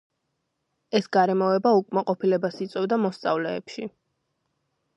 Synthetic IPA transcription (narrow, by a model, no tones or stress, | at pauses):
ɛsɡaɾɛmɔɛbaukʼmaqʼɔpʰilɛbasit̪sʼwɛvd̪amɔst̪sʼa̰vlɛ̰ːpʃi